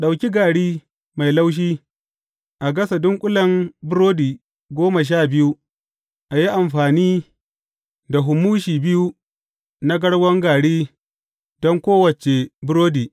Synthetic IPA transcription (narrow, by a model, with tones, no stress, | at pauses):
ɗa˨wkʲi˦ɡaː˨ɽiː˦ | ma˨jla˦wʃ̬iː˦ | ʔa˨ɡɐ˦sa˨dʊ˦ŋkʷʼʊ˦lɐ˨mbʊ˦ɾoː˦diː˨ | ɡʷoː˦ma˨ʃ̬aː˦˨bɪ˦ju˦ | ʔa˨ji˦ʔa˨mɸaː˨niː˦ | da˨ɦʊ˨muː˦ʃiː˨bɪ˦ju˦ | na˦ɡɐ˦ɽwɐ˦ŋɡaː˨ɽiː˦ | dɔ˦ŋkʷoː˦wɐ˨t͡ʃe˨bʊ˦ɾoː˦diː˨